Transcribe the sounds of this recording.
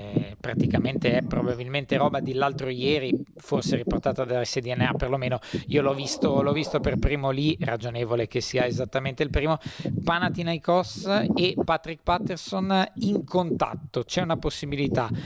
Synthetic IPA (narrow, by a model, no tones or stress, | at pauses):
pɾat̪ikament̪eɛpɾobabilment̪eɾɔːbad̪ilːalt̪ɾojɛːɾi | forseɾiport̪aːt̪ad̪ased̪iɛnːeaperlomeːnoiolɔvist̪olɔvist̪operpɾiːmolirad͡ʒoneːvolek̟esːiːaezat̪ːament̪eilpɾiːmopanat̪inajkɔsepːat̪ɾik̚pat̪ːersoniŋkʰont̪a̰t̪ːot͡ʃɛunaposːibilit̪a